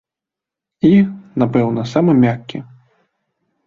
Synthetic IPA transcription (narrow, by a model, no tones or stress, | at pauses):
inapɛwnɐsamɨmʲakʲːḭ